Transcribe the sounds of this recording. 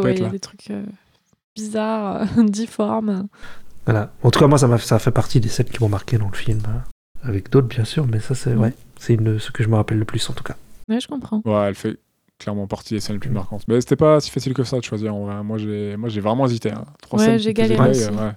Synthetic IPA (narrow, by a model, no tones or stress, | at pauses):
wɛɛjalad̪et̪χykʰø̰ | b̥izaʁø̰d̪ifɔʁm | vwalaɑ̃t̪ukamwas̬amasafɛpaʁt̪id̪esɛnkʲimɔ̃maʁkʲed̪ɑ̃ləfilmø | avɛkd̪ot̪χbjɛ̃syʁmɛsasɛwɛsɛynsə̥kəʒəməʁapɛlːəplysɑ̃t̪u̥kawɛʒə̥kɔ̃pχɑ̃wɛɛlfɛ | klɛʁmɑ̃paʁt̪ʰilesɛnlepʰlymaʁkɑ̃t̪mɛse̥t̪ɛpasi̥fasilkəsad̪əʃwaziʁɑ̃vʁɛmwaʒemwaʒevʁɛmɑ̃ezit̪eɛ̰̃t̪χwawɛʒeɡalewɛ